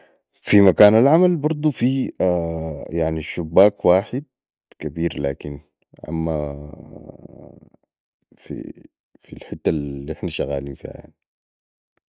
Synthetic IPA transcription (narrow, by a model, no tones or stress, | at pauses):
fimakaːnalʕamalbɑɾˤd̪ˤufiajaʕniʃubːaːkwaːħɪd̪̚ | kabiːɾla̰ːkin | ʔa̰mːa | fḭ | filħɪt̪ːaliʔɪħnaʃaɣa̰ːliːnfḭːha̰ja̰ʕni